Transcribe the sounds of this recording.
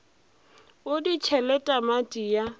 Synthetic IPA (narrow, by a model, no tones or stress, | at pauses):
ʊdit͡ʃʰɛlɛtʼamatʼija